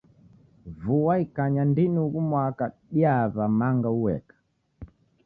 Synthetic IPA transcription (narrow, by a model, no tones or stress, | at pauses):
vuwaikaɲandinuɣumwakaɗiaβamaŋɡauwɛ̰kḁ